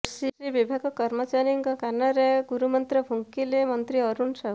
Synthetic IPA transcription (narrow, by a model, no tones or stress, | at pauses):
siɾibibʱaɡɔkɔɾmɔt͡ʃaɾjiŋkɔkanɔɾeɡuɾumɔnt̪ɾɔbʱuŋkilemʌnt̪ɾiɔɾunsaɦ